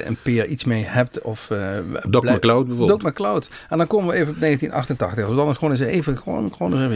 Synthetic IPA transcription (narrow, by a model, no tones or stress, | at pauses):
ə̰npɪːɹitsmejhɛp̚tɔf | ɔklawt̚bɛvodɔkməklawtɛndɑnkoːməʋəejvənɔpnejɣəntinʔɑ̰xtəntɑχtəxdʋɔntɑndəsʋoːnɪs̬əejvəʋo̰nxʋoːnɪvevə